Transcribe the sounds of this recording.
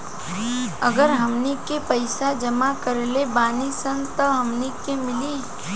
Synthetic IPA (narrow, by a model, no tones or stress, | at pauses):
əɡəɾɦɐmnikepəɪsad͡ʒəmakəɾlebaːnisənt̪əɦɐmnikemɪli